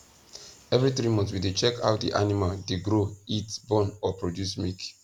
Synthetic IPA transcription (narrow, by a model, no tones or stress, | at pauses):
ɛvɹiθɹimɔ̃ntwidet͡ʃɛkʰa̰ʊt̚dḭʔanimaldeɡɾoitbɔ̃nɔpɹodjusmik